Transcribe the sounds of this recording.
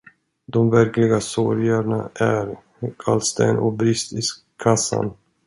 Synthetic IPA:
d̪ɔmvæɾklɪɡasɔɾjaɳaʔæɾ | kʰalst̪ɛ̰nʔɔbɾɪst̪ɪs | kʰasːa̰n

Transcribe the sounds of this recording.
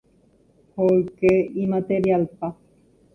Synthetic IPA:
hʰoɾkeimat̪eɾialpa

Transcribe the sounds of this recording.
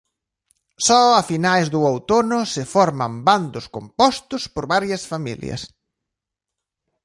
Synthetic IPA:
sɔɐfinajzðʊowt̪onʊsɪfɔɾmɐmband̪ʊskompɔst̪ʊspoɾβaɾjɐsfamḭljɐ̰s

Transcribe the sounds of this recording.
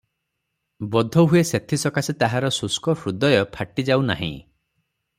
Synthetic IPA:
bɔd̪ʱɔɦueset̪ʰisɔkasit̪aɦaɾɔsuskɔpʰɾud̪ɔjɔpʰaʈid͡ʒawna̰ɦḭ̃

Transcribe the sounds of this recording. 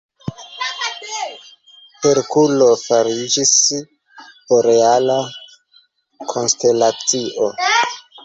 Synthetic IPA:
peɾkulo̞faɾid͡ʒis | oɾe̞ala | kʰo̞nste̞lat͡siʔo

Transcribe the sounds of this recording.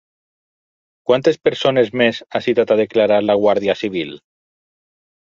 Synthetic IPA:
kwant̪espeɾsonezmesasit̪at̪aðeklaɾaɾlaɣwaɾðiasiβ̞il

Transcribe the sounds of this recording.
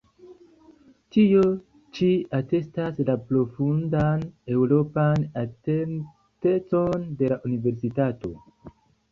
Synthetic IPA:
tio̞ | t͡ʃiate̞staslapɾo̞fundane̞wɾo̞panaten | te̞t͡so̞nde̞laʔunive̞ɾsitato̞̰

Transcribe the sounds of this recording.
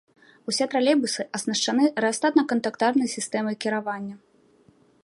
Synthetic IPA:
usʲɛt̪ɾalʲɛbusɨʔɐsnɐʂt͡ʂanɨɾɛast̪at̪nɐkɐnt̪akt̪arnɨjsʲist̪ɛmɨkʲiɾavanʲːɐ

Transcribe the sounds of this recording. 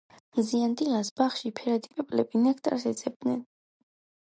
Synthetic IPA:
mziand̪ilasbaχʃipʰɛɾad̪ipʼɛpʼlɛbinakʰt̪ʼa̰ɾsɛd̪zʰʼɛb̚d̪nɛ̰n

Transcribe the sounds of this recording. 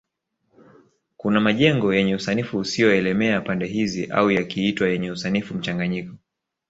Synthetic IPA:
kunamaʄɛŋɡɔjɛɲɛusanifuːsijɔɛlɛmɛapandɛɦiziʔa̰ujakiitwajɛɲɛusanifum̩t͡ʃaŋɡaɲikɔ

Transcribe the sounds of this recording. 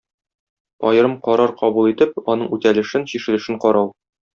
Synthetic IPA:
ɒjɤ̆ɾɤmqɒɾɑɾqɒbulˠit̪ɘp̚ɒnɤɴʉt̪ælɘ̆ʃɘnɕiʃɘ̆lɘ̆ʃɘɴqɒɾɑw

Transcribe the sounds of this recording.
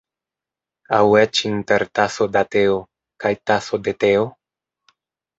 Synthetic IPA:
awet͡ʃinteɾtaso̞dateo | kajtaso̞d̪et̪eo

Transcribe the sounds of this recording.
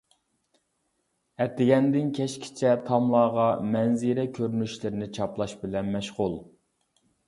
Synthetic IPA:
ɛt̪ʰɪɡʲɛnd̪ɪnkʲʰɛʃkʲʰɪ̥t͡ʃʰɛt̪ʰɑmlˠɑːʁɑmɛnzɪɾɛkʲʰøɾnyʃlɪɾɪnɪt͡ʃʰɑplˠɑʃbɪlɛnmɛʃʁʊlˠ

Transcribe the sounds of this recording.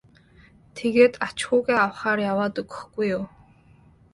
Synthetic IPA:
t̪ʰeɣeːt̪at͡ɕxʊːɣeːawχaːrjawaːt̪ɵɣɵ̥̆xɡujːʊw

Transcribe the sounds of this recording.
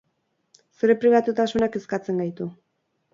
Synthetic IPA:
seɾe̞pɾiβat̪ut̪asunake̞skat͡se̞ŋɡajt̪u

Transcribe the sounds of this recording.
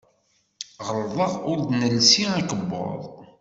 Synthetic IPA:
ʁəɾˤðˤəʁʊɾd̪nəlsiakəbːʊ̰ðˤ

